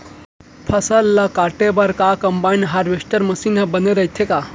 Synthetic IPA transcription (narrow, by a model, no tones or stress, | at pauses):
pʰəsəlːəkaʈebəɾkakəmbajnɦaɾbesʈəɾməsinɦɐbəneɾəɦit̪ʰeka